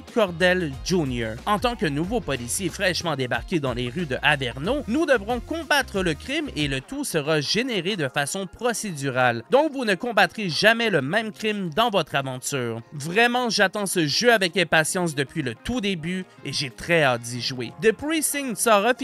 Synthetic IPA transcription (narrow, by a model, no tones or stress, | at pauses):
kʰɔʁd̪ɛlʒunjɔɑ̃t̪ɑ̃kənuvopɔlisjefʁɛʃmɑ̃d̪ebaʁkʲed̪ɑ̰̃leʁyd̪əʔavɛʁnonud̪əvʁɔ̃kɔ̃bat̪χələkʲʁimelət̪usəʁaʒeneʁed̪əfasɔ̃pχɔsed̪yʁald̪ɔ̃kvunəkɔ̃bat̪ʁeʒamɛləmɛ̃mkʲʁimd̪ɑ̃vɔt̪χavɑ̃t̪yːʁvʁɛmɑ̃ʒat̪ɑ̃səʒøavɛkɛ̃pasjɑ̃s̬d̪əpɥilət̪ud̪eby | eʒet̪χɛad̪iʒwḛd̪əpʁisɪŋsɔʁəf